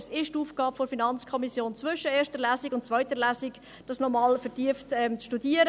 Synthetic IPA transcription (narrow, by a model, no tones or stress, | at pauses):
sɪʃtuːfɡ̥ɑːpfoɾfinɑnt͡skʰɔmisjoːnt͡svʏʃəeːɾʃtəlæːsɪɡʊntt͡sʋœʏtəlæːsɪɡ | d̥ɑsnɔmɑːlfəɾtiəftɛmt͡sʃtudiəɾə